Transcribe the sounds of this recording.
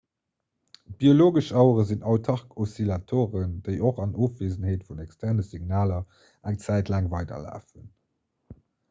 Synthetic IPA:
b̥ioloːɡəʃɑʊəʁəzinɑʊtʰɑʁkosilɑtʰoːʁəndəɪʔoχɑnoːfv̥eːzənheːtfunækstʰæʁnəsiɡnaːlɐ | æŋt͡sæˑɪtʰlæːŋvɑɪdɐ̰la̰ːfən

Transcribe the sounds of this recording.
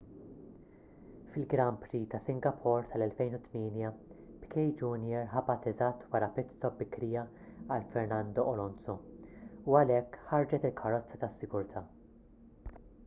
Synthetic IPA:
fɪlɡɾɐmpɾit̪ɐsɪŋɡɐpʰɔɾt̪ʰɐlɛlfɛjnʊt̪miːnjɐ | pkʰɛjd͡ʒunjɛɾħɐbɐt̪ːɛzɐt̪ːwɐɾɐpɪt̪t͡st̪ɔbɪkːɾiːjɐ | ɐlfɛɾnɐnd̪ɔʔɔlɔnsɔ | uɐlɛkːħɐɾd͡ʒɛt̪ɪlkʰɐɾːɔt͡sːɐt̪ɐsːɪɡʊɾt̪ʰɐː

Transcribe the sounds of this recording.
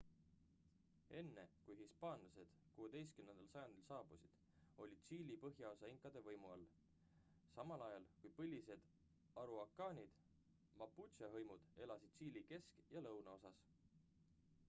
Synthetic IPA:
e̞nːe̞kujɦispɑːnlɑse̞d̪̥kuːed̪̥e̞js̚kymne̞nd̪̥ɑlsɑjɑnd̪̥ilsɑːb̥usid̪̥ | o̞lʲid̪̥siːlʲipɤɦjɑosɑiŋkˑːɑd̪̥e̞vɤjmuɑlː | sɑmɑlɑjɑlkujpɤlʲise̞d̪̥ | ɑɾuɑkːˑɑːnʲid̪̥ | mɑpːut̪sɑɦɤjmud̪̥e̞lɑsid̪̥̚siːlʲike̞skjɑlɤwnɑo̞sɑs

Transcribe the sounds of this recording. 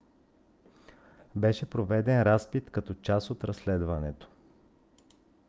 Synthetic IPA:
bɛʃɛpɾovɛd̪ɛnɾaspit̪kɐt̪ɔt͡ʃasot̪ɾɐslɛd̪vɐnɛt̪o̥

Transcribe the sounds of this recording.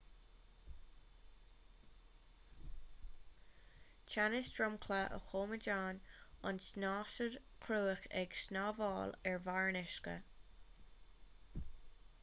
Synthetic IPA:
t͡ʃʰanɪsdɹʊmkʰləʔə̰xoːməd͡ʒaːnʊnsnɑːʃəɹkʰɾuːəxɛ̰ɡʃnɑːvɑːlɛɹvaɹnɪʃkə̰

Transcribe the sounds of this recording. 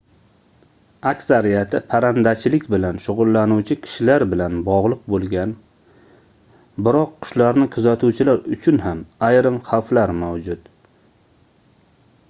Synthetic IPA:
akʲsaɾijat̪ʰɪpʰaɾand̪at͡ʃʰɪlɪkʲbɪlanʃʊʁʊlˠːanuwt͡ʃʰɪkʲʰɪ̥ʃɪlaɾbɪlanbɒʁlˠɨq̚bolˠɡʲan | bɪɾɒqʰːʊ̥ʃlaɾnɪkʰʊzat̪ʰuwt͡ʃʰɪlaɾʊt͡ʃʰʊnɦamajɾɪmχawflaɾmawd͡ʒʊt̪

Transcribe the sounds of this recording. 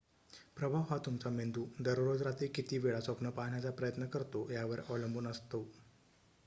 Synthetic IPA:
pɾəbʱaʋɦat̪umt͡samend̪uːd̪əɾɾod͡zɾat̪iːkit̪iːʋeɭasəpnəpaɦɳjat͡sapɾəjət̪nəkəɾt̪ojaʋəɾəʋləmbʱuːnəst̪o

